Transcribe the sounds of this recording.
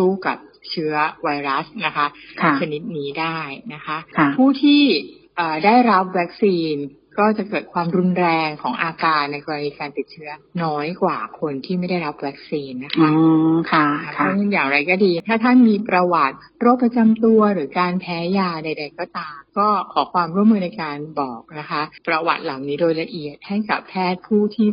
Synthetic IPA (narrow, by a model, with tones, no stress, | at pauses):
suː˥˩ka̰˨˩p̚t͡ɕʰɯ˦˥ɐwa˧jɾa˦˥sna˦˥kʰa˦˥kʰt͡ɕʰa˧ni˦˥t̪̚niː˦˥daː˥˩jna˦˥kʰa˦˥ʔkʰa˧˩pʰuː˥˩t̪ʰiː˥˩ | ʔəː˨˩daː˥˩jɾa˦˥p̚wɛ˦˥k̚siː˧n | kɔː˥˩t͡ɕa˨˩kɤː˨˩t̪̚kʰwaː˧mɾu˧nɾɛː˧ŋkʰɔː˩˦ŋʔaː˧kaː˧nːa˧jkɔː˧ɾa˧niː˧kaː˧nt̪i˨˩t̪̚t͡ɕʰɯ˦˥ɐnɔː˦˥jkwaː˨˩kʰo˧nt̪ʰiː˥˩ma˥˩jda˥˩jɾa˦˥p̚wɛː˦˥k̚siː˧nːa˦˥kʰa˦˧kʰa˥˩˧ɯ˥˩jaː˨˩ŋɾa˧jkɔː˥˩diː˧t̪ʰaː˥˩t̪ʰa˥˩nmiː˧pɾa˧wa˨˩t̪̚ | ɾo˥˩pːɾa˧t͡ɕa˧mt̪u˧ɐɾɯː˩˦kaː˧npʰɛː˦˥jaː˧da˧jda˧jkɔː˥˩t̪aː˧mkɔː˥˩kʰɔː˩˦kʰwaː˧mɾu˥˩əmːɯː˧na˧jkaː˧nbɔː˨˩k̚na˦˥kʰa˦˥ʔpɾa˧wa̰˨˩t̪̚la˨˩˦wniː˦˥doː˧jla˧ʔi˨˩ət̪̚ha˥˩jka˨˩pʰːɛː˥˩t̪̚pʰuː˥˩t̪ʰiː˥˩